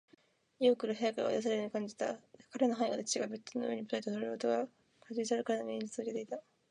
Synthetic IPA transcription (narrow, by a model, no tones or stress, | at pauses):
iokɯ̟ɾɯ̟ɦeakaɾa̰d̪as̬aɾeoɲ̟ikãɲ̟d͡ʑi̥t̪akaɾenoɦaiɡad̪et͡ɕi̥t͡ɕiɡabett͡sɨnoɯ̟eɲimot̪oit̪esoɾeɾɯot̪oɡa | kad͡ʑiisaɾeɾɯkaɾenoɡʲẽɲd͡ʑi̥t͡sɨoket̪e̞it̪a